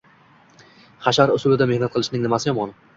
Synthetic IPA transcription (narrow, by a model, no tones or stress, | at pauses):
χaʃaɾʊsʊlɪd̪amehnat̪̚qʰɨlˠɪʃnɪŋnɪmasɪjɒmɒn